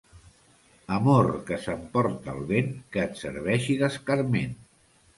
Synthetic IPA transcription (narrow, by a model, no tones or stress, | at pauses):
əmoɾkəsəmpɔɾt̪aːlˠβeŋkəːt̪sə̰ɾβ̞ɛʃiðəskaɾmen